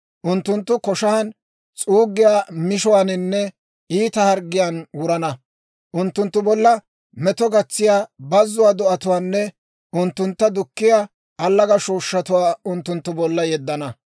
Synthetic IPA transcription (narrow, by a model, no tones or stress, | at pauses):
ʔʊnt̪ːʊnt̪ːʊkɔʃɐɐn | t͡sʼuːɡːɪjaːmɪʃɔwaːnɪnːɛ | iːt̪ɐhɐɾɡːɪjaːnwʊɾɐnɐ | ʔʊnt̪ːʊnt̪ːʊbɔlːɐ | mɛt̪ɔɡɐt͡sːɪjaːbɐzːʊwaːd̪ɔʔɐt̪ʊwaːnːɛ | ʊnt̪ːʊnt̪ːɐd̪ʊkːɪjaː | ɐlːɐɡɐʃoːʃːɐt̪ʊwaːʊnt̪ːʊnt̪ːʊbɔlːɐjɛd̪ːɐnɐ